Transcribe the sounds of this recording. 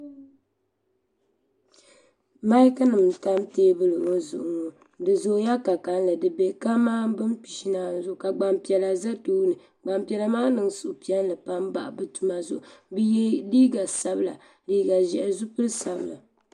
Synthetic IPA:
ma˦ka˦nɨ˨mta˦mteː˦bɨ˦lɨ˨ŋo˦zʊ̰˨ʔʊ˨ŋo˨ | dɨ˨zo˨˦ja˦ka˨ka˨n˦lɨ˨dɨ˨be˨ka˦maː˦bɨ˦mpi˨ʃi˦naː˨n˦zʊ˦ʔʊ˨ka˨ɡ͡ba˨mpi˨ɛ˨la˨za˦tuː˦nɨ˨ | ɡ͡ba˨mpi˨ɛ˨la˨maː˦nɨ˨ŋsʊ˨ʔʊ˨pi˨ɛ˦n˦lɨ˨pa˦mba̰˨ʔbɨ˦tu˨ma˨zʊ˦ʔʊ˨bjɛ˦liː˦ɡa˨sa˦bɨ˦la̰˨ | liː˦ɡa˨ʒɛ˨ʔzu˦pɨ˦ɾɨ˦sa˨bɨ˨la̰˨

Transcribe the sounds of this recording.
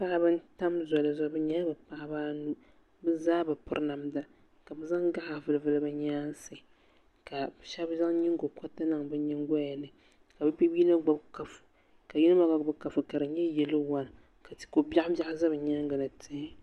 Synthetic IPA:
pa˦ʔa˦bɨ˦n˦ta˦mzɔ˨lɨ˨zɔ˨˦bɨ˦ɲaː˦bɨ˨pa˦˨ʔa˦baː˦nu˦ | bɨ˦zaː˦bɨ˨pʊ̰˦ɾna˨mda˨ | ka˨bɨ˦za˦ŋɡa˦ʔa˨vɨ˨lɨ˨vɨ˨lɨ˦ba˨ɲaː˦n˦sɨ˨ | ka˨ʃa˦bza˦ŋɲi˦ŋɡo˨ka˦ta˦nɨ˨ŋbɨ˦ɲi˦ŋ˦ɡɔ˦ja˨nɨ˨ | ka˨bɨ˦bi˦biː˦na˦ɡ͡ba˦bka˨fɨ̥˨ | ka˨ji˦nɨ˦ma˨ɡa˨bɨ˦ka˨fɨ˨ka˨ɾɨ˨ɲɛ˦jɛ˨lɨ˦wa˦n˨ | ka˨ti̥˨ko˨bʲa˦ʔa˦bja˦ʔza˦bɨ˨ɲa˦ŋɡɨ˨nɨ˨tʰɨ˦

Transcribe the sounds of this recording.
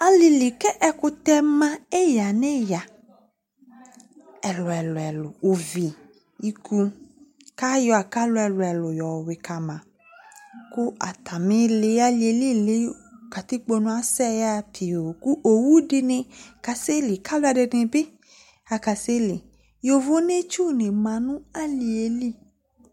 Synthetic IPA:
a˨lɪ˨li˨kɛ˦ʔɛ˨kʊ˦t̪ɛ˦mã˦e˦ja˨ne˦ja˨ | ɛ˨lʊ˨ɛ˨lʊ˨ɛ˨lʊ˨ʊ˨vi˨ | i˦kʰu˦ | ka˦jɔ˨a˨ka˦lʊ˦ɛ˨lʊ˨ɛ˨lʊ˨jɔ˨wɪ˨kʰa˨mã˨ | ku˦ʔa̰˨t̪a˨mẽ˦le˨˦a˦li˨e˨li˦le˦ka˨t̪i˦k͡po˦nũ˦a˨sɛ˦ja˦pʰi˨o˨ku˦ʔo˨wu˦ɖe˨nẽ˨ka˨se˦li˨kʰa˦lo˦a˨ɖe˨˦ẽ˨be˦ | a˨ka˨se˦li˨ | jo˨vo˦ne˦t͡ʃu˦nẽ˨mã˨nũ˦a˦li˨e˨li˦

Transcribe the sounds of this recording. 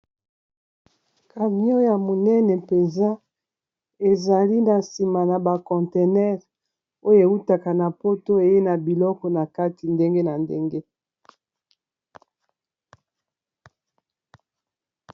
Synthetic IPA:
ka˨mi˦o˦ja˨mo˨nɛ˦nɛ˨pe˨nza˦ | e˨za˨li˦na˨si˨ma˨na˨ba˨kɔ̃˨te˨nɛ˦ʁ | o˦jo˨e˨u˦ta˨ka˨na˨po˦to˦e˨je˦na˨bi˨lɔ˦kɔ˨na˨ka˦ti˨nde˦ŋɡe˦na˨ndḛ˦ŋɡe˦

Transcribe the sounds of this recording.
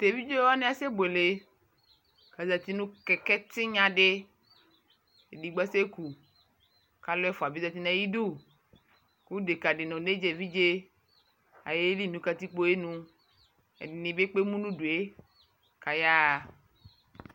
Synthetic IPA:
t̪e˨vi˦d͡ʒe˦wa˦nẽ˦a˨se˦bo˨e˨le˨ | ka˨za˨t̪i˦nũ˦kɛ˨kɛ˦t̪ɪ˦ɲã˨ɖe˦ | e˨di˨ɡ͡ba˦se˦ku˨ | ka˦lɛ˦fɔ˨a˨bi˦za˨t̪i˦nã˦ji˦du˦˨ | ku˦de˨ka˨ɖe˨nɔ̃˨ne˦d͡ʒe˨vi˦d͡ʒe˦ | a̰˨je˦li˦˨nũ˨ka˨t̪i˦k͡po˦e˦nũ˦ | ḛ˨di˨nĩ˨be˦k͡pe˦mũ˦nũ˦ɖu˨e˦ | ka˨ja˦a˨

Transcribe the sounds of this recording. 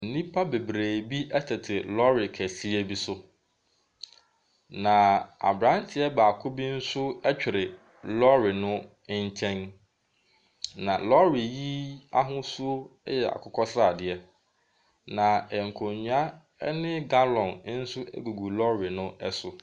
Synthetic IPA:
n̩˨nĩ˦pʰa˦be˨bɾeː˨bi˦ʔɛ˦tʰɛ˨tʰɪ˨lɔ˦ɾɪ˨kʰæ˨si˦ɛ˦bi˦sʊ˦ | nã˨a̰˨bɾã˦n˦tʰɪ˨ɛ˦ba˨kʰʊ˦bi˦n̩˦sʊ˦ɛ˦t͡ɕᶣɪ˨ɾɪ˨ | lɔ˦ɾɪ˨nʊ̃˦ | ɲ˦t͡ɕʰɛ̃˦n | nã˨lɔ˦ɾɪ˨ji˦a˦ɦʊ̃˦sʊ˦jɛ˨a̰˨kʰʊ˦kʰɔ˦sɾa˦˨dɪ˨ɛ˦ | nã˨ɛ˨ŋ̩˨kʰõ˨ɲũ˦a˦ | nɪ̃˦ɡa˦lɔ̃˨n˦n̩˦sʊ˦ɛ̰˦ɡu˨ɡu˨lɔ˦ɾɪ˨nʊ̃˦ɛ˦sʊ˨

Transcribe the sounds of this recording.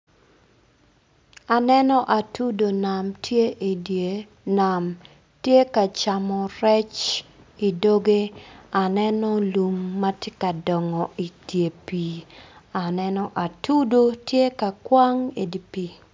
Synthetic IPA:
a˨nɛ˦nɔ˦ʔa˨tu˦do˨na˨mtʰje˦ʔe˨de˨ | na˨m | tje˦ka˨t͡ʃa˨mɔ˨ɾɛ˦t͡ʃ | i˨do˦ɡe˦a˨nɛ˦nɔ˦lu˨mːa˦tje˦ka˨dɔ˨ŋɔ˨ʔi˨tje˨pi˨a˨nɛ˦nɔ˦ʔa˨tu˦do˦tje˦ka˨kwa˦ŋe˨di˨pi˨

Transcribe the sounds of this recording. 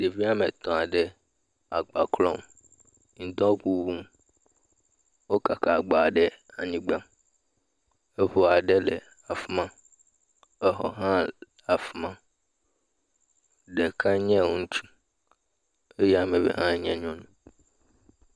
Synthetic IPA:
de˨vi˦a˦mɛ˨t̪ɔ̃˨a˨ɖɛ˦ | a̰˨ɡ͡ba˨kʰlɔ̰̃˦˨m | n̩˨d̪ɔ̃˦ku˨bũ˦m | wo˦ka˨kʰa˨ɡ͡ba˨ɖɛ˦a̰˨ɲĩ˨ɡ͡bã˦m | ɛ˦ɸo˨a˨ɖɛ˦lɛ˨ | a˨fu˦mã˦ | ɛ˦ɦɔ̰˨ɦã˦˨ | a˨fu˦mã˦ | ɖɛ˨kʰa˦ɲɛ̃˦˨wo˨n̩˦t͡ʃʰũ̥˦ | e˦jɛ˦a˨mɛ˨bɛ̰˨ɦã˦ɲɛ̃˨ɲ˦ɔ̃˦nũ˨

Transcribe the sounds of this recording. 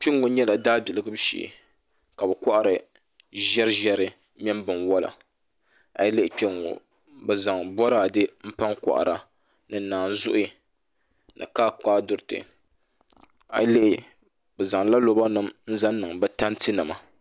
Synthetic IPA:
k͡pi˦ŋːo˨˦ɲɛ˦la˨daː˦bi˨lɨ˨ɡɨ˦bʃḭ˨ | ka˨bɛ˨kʷa˦ʔa˨ɾɨ˨ | ʒɛ˦ɾɨ˦ʒɛ˦ɾɨ˦ | mɛ˦mbɨ˨nwɔ˦la̰˨ | a̰˨jle˦ʔɪ˨k͡pi˦ŋo̰˨ | bɛ˨za˨ŋbɔ˦ɾaː˦˨dɨ˦m̩˦pa˦ŋka̰˨ʔa̰˨ɾa˨ | nɨ˨˦naː˨n˨˦zʊ˦ʔʊ˦i˨ | nɨ̰˨kaː˦kaː˦dʊ˨ɾɨ˨tɨ̰˨ | a̰˨jle˦ʔɪ˨ | bɛ˨za˨ŋla˦lo˦ba˦nɨ˦˨mn̩˦za˦n˦nɨ˨ŋbɛ˦ta˦ntɨ˦nɨ˨ma˨

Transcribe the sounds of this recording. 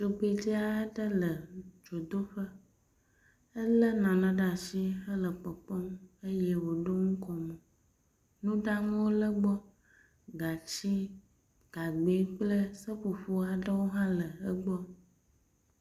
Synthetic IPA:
d͡ʒo˨k͡pe˨di˦a˦ə˦ɖə˦lə˨d͡ʒo˨d̪o˦ɸə˦ | ə˦lə˦nã˨nã˦ɖa˨ʃi˦ə˦lə˨k͡pə˨k͡pɔ˦m˦ə˦jɛ˦wo˨ɖo˦ŋũ˦kɔ˨mə̃˨ | nũ˦ɖa˦ŋũ˦wo˦lə˦ɡ͡bɔ˦ | ɡa˨t͡ɕi˦ | ɡ̥a˨ɡ͡be˨˦k͡plə˦sə˦ɸu˨ɸu˦a˨ɖə˦wo˦ɦã˦lə˨ə˦ɡ͡bɔ˦

